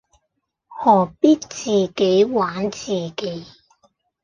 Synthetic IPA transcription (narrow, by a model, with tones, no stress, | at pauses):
hɔː˨˩piː˥t̚t͡siː˨ke˨˥jwaː˨˥nt͡siː˨˩ke˨˥j